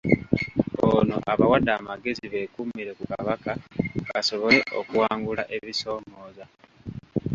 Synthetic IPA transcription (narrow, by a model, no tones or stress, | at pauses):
ono̞̰ʔaβawadːaːmaɡe̞ziβe̞ːkumiɾe̞kukaβakaβaso̞βo̞le̞ʔo̰kuwaːŋɡulaʔe̞βiso̞ːmo̞ːza